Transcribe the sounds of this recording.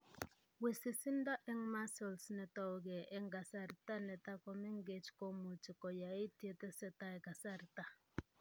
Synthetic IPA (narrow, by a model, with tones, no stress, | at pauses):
we˨si˨si˦nda˦ʔɛ˦ŋma˦sɔ˨lsnɛ˨tɔ˦˨o˨ɡɛ˨ʔɛ˦ŋɡa˨sa˦˨ɾta˦nɛ˨ta˦kɔ˨mɛ˦ŋɡe˨t͡ʃko˦mu˨t͡ʃi˨kɔ˨ja˨i˦tje˦˨tɛ˦sɛ˦ta˦ɛ˨ka˨sa˦˨ɾta˦